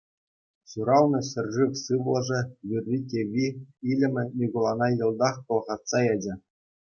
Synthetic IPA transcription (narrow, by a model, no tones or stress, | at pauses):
suɾɑlnɤ̆ɕɘ̆rʲʐiʋʲsɯʋlˠɤ̆ʐɘ̆vʲirʲːikʲeʋʲiilʲɘ̆mʲɘ̆nʲiɡolˠɑnɑjɤ̆lˠd̪ɑχkɤ̆lˠʁɑt̪sɑjɑd͡ʑɘ̆